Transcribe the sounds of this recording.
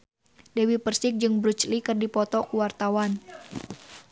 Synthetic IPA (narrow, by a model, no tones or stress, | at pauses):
dɛwipərsɪk̚d͡ʒɨŋbɾut͡ʃlikɨrdipɔt̪ɔkuwart̪awan